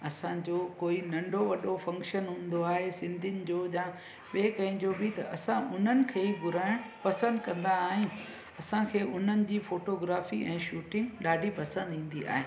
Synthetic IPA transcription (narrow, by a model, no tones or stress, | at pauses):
ɐsãd͡ʑoːkoːinɐ̃ɳɖʱoʋɐɗofɐ̃ŋkʃənɦũːnd̪oaːɦesɪ̃nd̪ʱɪnɪ̆d͡ʑoːʄãː | ɓeːkɐ̃ɦɪ̃d͡ʑobɪt̪ɐ̰ʔɐsãʔʊn̤ənɪ̆kʰeːɡʱʊɾaːɪɽ̃pɐsə̃nd̪kɐ̃nd̪aːɦiũ | ɐsãkʰeːʔʊn̤ənɪ̆d͡ʑiːfoːʈoɡɾaːfiʔɛ̃ːʃuːʈɪ̃ŋɡɗaːɖʱipɐsə̃nd̪ĩːn̆d̪ia̰ːɦeː